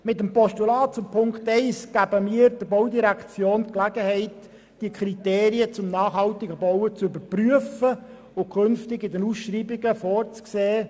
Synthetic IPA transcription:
mɪtəmpɔstulɑːt̚t͡sʊmpʰʊŋkt̪ɛɪsɡ̥æbəmiːəɾd̥əbowdiɾækt͡sjoːnt̪klæɡəhɛɪt | d̥iəkʰɾit̪eːɾiət͡sʊmnɑːχhɑltɪɡəbɔwət͡sʏbəɾpryəfə | ʊkʰønftɪɡɪdənusʃriːbɪɡəfɔːrt͡skseː

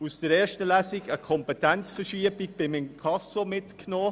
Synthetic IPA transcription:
usd̥əɾɛːʃtəlæsiɡəkʰɔmpɛtɛnt͡sfəʃiəbiɡ̚b̥ɪmɪmkʰɑsomɪtknɔː

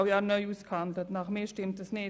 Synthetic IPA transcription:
ʊjɑnœʏuːskhandlətnɑχmeːʃtɪmt̚dəsnɪ

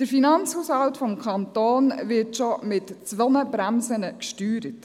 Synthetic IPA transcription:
d̥əɾfinɑnt͡shuːshɑltfɔmkʰɑntoːnvɪtʃɔmɪtt͡sʋɔnəbɾæmsənəkʃtyːɾət

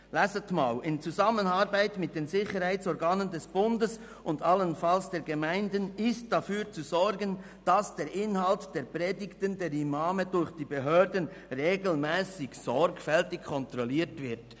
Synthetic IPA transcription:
lasətmaːlɪnt͡suzamənaɾbaɪtmɪt̚d̥eːnzɪçəɾhaɪt͡sɔɾɡaːnəndɛsb̥ʊndəs | ʔʊndalənfalsd̥eːɾɡemaɪndənɪst̚d̥afyːt͡suzɔɾɡən | d̥asd̥eːɾʔɪnhaltd̥eːɐpʁeːdɪktəndeːɾimaːmədʊɾçd̥iːbeɦøːɾdən̩ | ʁeːɡl̩mɛːsɪçsɔɾkfɛltɪkkʰɔntʁɔliːtv̥ɪʁt

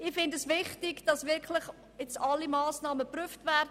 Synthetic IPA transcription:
ɪfɪndəsʋɪχtɪɡd̥ɑsʋɪɾkʰlɪχ | ɛt͡sɑlːimɑːsnɑːməpryəftvæɾd

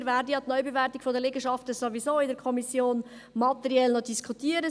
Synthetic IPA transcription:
ɾvæːɾdəjɑt̪nœʏbevɛɾtikfɔdəleɡəʃɑftəsoʋisoːɪdɛɾkʰɔmisjoːn | mɑt̪ɛɾiɛlnɔdiskʰut̪iəɾə

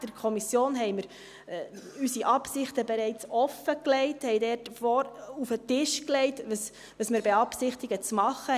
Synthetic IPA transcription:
d̥əɾkʰɔmisjoːnɦɛɪməɾ | ysiʔɑpsɪχtəbeɾɛɪt͡sɔfəklɛɪthɛɪdɛɾtfɔɾufətɪʃklɛɪtəs | ʋəsmɪɾbeɑpsɪχtiɡət͡smɑχːə

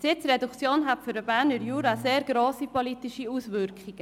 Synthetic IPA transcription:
sɪt͡sɾɛdukt͡sjoːnɦatfʏɾəbæːɾnəɾjuːɾaseːɾɡɾoːsipolit̪iʃiusʋʏɾkχiɡ̥ə

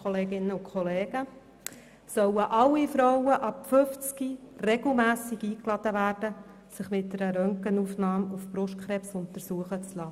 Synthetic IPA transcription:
oleːɡɪnːəʊkʰχɔleːɡ̥ə | sœwəʔɑlːifɾɔwəʔɑpfʏft͡skirɛɡl̩mæːsiɡiːklɑd̥̪əʋæːɾd̥ə | sɪχmɪt̚dɛɾəɾœŋkənufnɑːmufpɾʊʃt̚kʰχɾɛpsʊnt̪əɾsuəχət͡slɑ

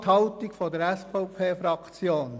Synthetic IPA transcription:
t̪hɑʊtikfodɛɾɛsfɔʊpʰeːfɾɑkʰt͡sjoːn

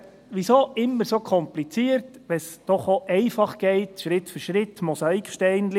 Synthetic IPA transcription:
ʋisoːɪmːəɾsoːkʰɔmplit͡siəɾtʋɛsd̥ɔχoʔɛɪfɑχɡ̥ɛɪtʃɾɪtfyɾʃɾɪt̪mɔsɑikʃtɛɪnl

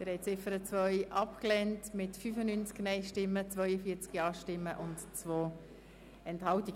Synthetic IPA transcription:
ɪɾhɛj̚t͡sɪfəɾət͡svœʏʔɑpklɛntmɪtfyfənynt͡sknɛɪʃtɪmːət͡svœʏəfiːt͡skiɑːʃtɪmːəʔʊntt͡svoː | ɛnthɑltiɡ

